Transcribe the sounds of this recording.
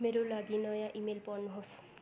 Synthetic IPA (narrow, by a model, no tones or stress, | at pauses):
meɾolaɡinɔjaʔimelpɔnːɦos